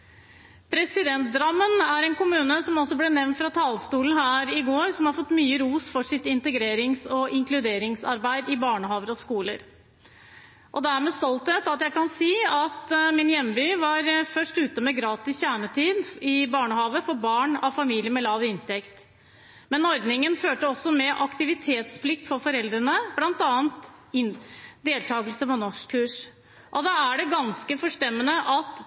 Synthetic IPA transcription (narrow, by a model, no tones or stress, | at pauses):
pʰɾɛsɪd̪ɛnt̪̚d̪ɾɑmːənæɾɛːnkʊmʉːnəsɔmɔsːɔblɛːnɛʋnt̪fɾɑt̪ʰɑːlst̪uːln̩hæːɾɪɡoːɾsɔmhɑɾfɔt̪ːmyːəɾuːsfɔʂɪt̪ɪnt̪əɡɾeːɾɪŋsɔʔɪŋklʉd̪eːɾɪŋsɑɾbæɪd̪ɪbɑːɳəhɑːʋəɾɔskuːlə̰ɾ | ʔɔd̪ææɾmɛːst̪ɔlt̪ət̪ɑt̪jæɪkɑnsiːɑt̪mɪnjɛmːbyːʋɑɾfœʂʈʉːt̪əmɛɡɾɑːt̪ɪsçæːɳət̪ʰiːd̪ɪbɑːɳəhɑːʋəfɔɾbɑːɳɑʋfɑmiːlɪjəmɛlɑːʋɪnt̪ɛkt̪ | mɛnɔɾd̪nɪŋənføːʈəɔsɔmɛʔɑkt̪ɪʋɪt̪ʰeːt̪spʰlɪk̚t̪fɔɾfɔɾɛld̪ɾənəblɑnt̪ɑːnt̪ɪnd̪eːlt̪ʰɑːɡəlsəpɔnɔʂkʰːʉːʂ | ʔɔd̪ɑæɖɛɡɑnskəfɔʂʈɛmːənəʔɑt̪